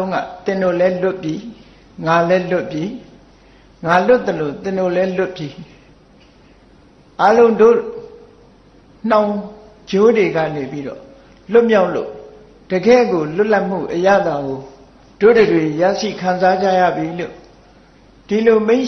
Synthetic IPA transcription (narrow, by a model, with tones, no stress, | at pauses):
ʊ̃ŋɡa̰˦˨t̪ɪ̃˨ndo˦˨lɛ˦lʊ˦ʔpji˦ | ŋa˨lɛ˦lʊ˦ʔpji˦ | ŋa˨lʊ˦t̪̚ːə˨lo˨t̪ɪ̃˨no˦˨lɛ˦lʊ˦ʔpji˦ | ʔa˦lõ˦ʊ̃ndo̰˦˨ | n̥ã˨ʊ̃ | d͡ʑo˦dwe˨ɡä̰˦˨ne˨pi˦dɔ̰˦˨ | lʊ˦ʔmja˦ʊʔlo̰˦˨ | d̥ə˨ɡɛ̰˦˨ɡo˨lʊ˦ʔla˦ʔm̥ṵ˦˨ʔəjä̰˦˨d̪a˨ɡo˨ | d̥o̰˦˨də˨dwe˨ja̰˦˨ʃḭ˦˨kʰã˨nza˦d͡ʑa˦˨ja̰˦˨bji˨lo̰˦˨ | d̥i˨lo˨mẽ˦ɪ̃ʔ